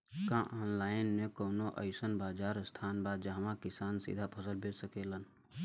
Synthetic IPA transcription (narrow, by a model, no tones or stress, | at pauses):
kãʔːnlaːɪnmẽkoːnoʔə̰jsənbaːd͡ʒaːɾst̪ʰaːnbaːd̪d͡ʒaɦmãkɪsaːnsḭd̪ʱapʰəsəlbʱed͡ʒsəkeːlən